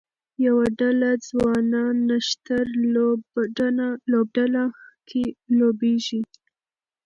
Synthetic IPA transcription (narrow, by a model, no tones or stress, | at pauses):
jawaɖalad͡zwɑnɑnːaʃt̪aɾ | lob̚ɖalakʰelobeʒi